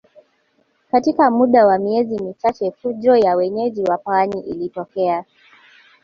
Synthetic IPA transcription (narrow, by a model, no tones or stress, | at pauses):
katikamuɗawamiɛzimit͡ʃat͡ʃɛfuʄɾɔjawɛɲɛʄiwapaaɲiʔilitɔkɛa